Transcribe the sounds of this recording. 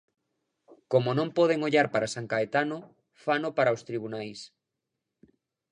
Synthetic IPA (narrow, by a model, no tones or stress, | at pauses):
komonõmpɔð̞eŋoʎaɾpaɾasaŋkaet̪ano | fanopaɾaowst̪ɾiβunajs